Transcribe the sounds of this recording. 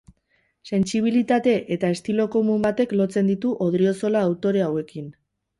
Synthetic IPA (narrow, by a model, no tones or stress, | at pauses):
se̞nt͡siβ̞ilit̪at̪e̞ʔet̪ae̞st̪ilo̞ko̞mumbat̪e̞klo̞t͡se̞nd̪it̪uʔo̞ð̞ɾio̞so̞laːwt̪o̞ɾe̞awe̞kin